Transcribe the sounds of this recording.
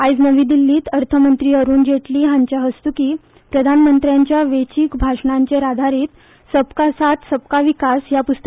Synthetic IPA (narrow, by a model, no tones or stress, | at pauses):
ajd͡znəʋĩd̪ilːiːt̪əɾt̪ʰəmənt̪ɾiːəɾuːnd͡ʑeʈliːɦãɲt͡ɕjaɦəst̪ukiː | pɾəd̪ʱanmənt̪ɾjaɲt͡ɕjaʋet͡ɕiːkbʱaʂɳaɲt͡ɕeɾad̪ʱaɾiːt̪ | səpkasat̪səp̚kaʋikasjapust̪ə